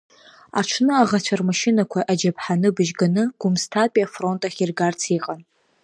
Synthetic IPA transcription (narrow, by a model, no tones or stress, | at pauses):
a̰ʈ͡ʂʰnɨaʁat͡ɕʷʰarmaʃɪnakʷʰaʔad͡ʒapʰħanɨbɨʒɡanɨɡ̥ʊmstʰapʼiafro̞ntʼaχʲirɡart͡sʰiqʼan